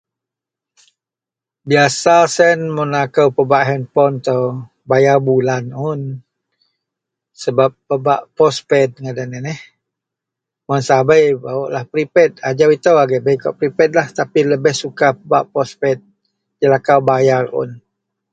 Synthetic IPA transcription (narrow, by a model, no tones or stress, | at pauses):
biasasɛnmənakəwpəbaʔɦɛnpɔnt̪əw | bajarbulanʊn | səbap̚ːəbaʔpɔspɛd̪̚ŋadanɛnɛh | mʊnsabəjbawaʔlahpɾipɛt̪̚ad͡ʒawit̪əwaɡɛʔbəjkɔʔpɾipɛt̪̚laht̪apiləbɛhsukapəbaʔpɔspɛt̪̚ | d͡ʒəlakawbajarʊ̰n